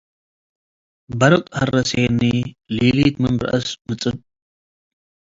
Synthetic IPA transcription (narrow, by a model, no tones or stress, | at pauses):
bɐɾɨkʼhɐrɐseːniliːliːt̪mɨmbɾɐ̰ʔɐsmɨt͡sʼɨb